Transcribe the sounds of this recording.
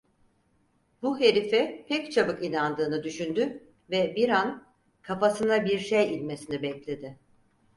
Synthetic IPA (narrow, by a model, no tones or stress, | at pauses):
buɦe̞ɾifɛpʰɛct͡ʃʰabɯkinand̪ɯːnɯd̪yʃynd̪y | vɛbiɾan | kʰafasɯnabiɾʃejilʲme̞sinibɛclʲe̞d̪ɪ